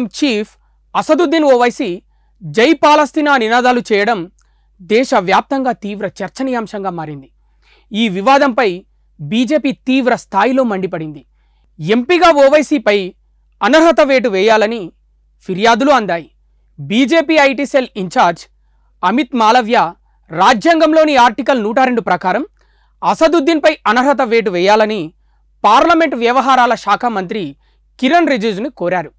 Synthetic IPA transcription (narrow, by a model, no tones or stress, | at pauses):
mt͡ʃiːpʰ | ɐsɐd̪ud̪inoːʋɐjsi | d͡ʒɐjpaːlɐst̪iːnaːninaːd̪aːlut͡ʃɛːjɐɽɐm | d̪ɛːʃɐʋjaːp̚t̪ɐŋɡaːt̪iːʋɾɐt͡ʃɐɾt͡ʃɐnijaːmʂɐŋɡaːmaːɾind̪i | iːʋiʋaːd̪ɐmpɐj | biːd͡ʒe̞ːpiːt̪iːʋɾɐst̪ʰaːjilo̞ːmɐɳɖipɐɽind̪i | e̞mpiɡaːoːʋɐjsiːpɐj | ɐnɐɾɦɐt̪ɐʋeːʈ̬uʋɛːjaːlɐni | pʰiɾjaːd̪uluɐnd̪aːji | biːd͡ʒe̞ːpiːɐjʈiːseliɲt͡ʃaːɾd͡ʒ | ɐmit̪maːlɐʋjɐ | ɾaːd͡ʒjaːŋɡɐmlo̞ːniaːɾʈikɐlnuːʈ̬ɐɾe̞ɳɖupɾɐkaːɾɐm | ɐsɐd̪ud̪ʱːinpɐjɐnɐɾɦɐt̪̬ɐʋeːʈ̬uʋɛːjaːlɐni | paːɾlɐme̞ɳʈʋjɐʋɐɦaːɾaːlɐʃaːkʰamɐnt̪ɾi | kiɾɐnɾed͡ʒuːd͡ʒnukoːɾaːɾu